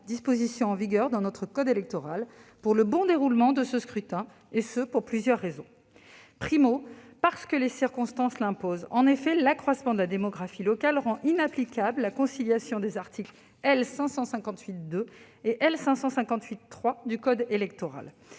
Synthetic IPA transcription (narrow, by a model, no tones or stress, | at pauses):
d̪ispozisjɔ̃ɑ̃viɡʲœʁd̪ɑ̃nɔt̪χəkɔd̪elɛk̚t̪ɔʁalpuʁləbɔ̃d̪eʁulmɑ̃d̪əsəskχyt̪ɛ̃ | esəpuʁplyzjœʁːezɔ̃ | pχimopaʁsə̥kəlesiʁkɔ̃st̪ɑ̃slɛ̃pozɑ̃nefɛlakχwasmɑ̃d̪əlad̪emɔɡʁafilɔkalʁɑ̃ʔinaplikʲabləlakɔ̃siljasjɔ̃d̪ezaʁt̪ʰikl | ɛlsɛ̃sɑ̃sɛ̃kɑ̃t̪ɥit̪̚d̪ø | eʔɛlsɛ̃sɑ̃sɛ̃kɑ̃t̪ɥit̪ːχwad̪ykɔd̪elɛkt̪ɔʁa̰l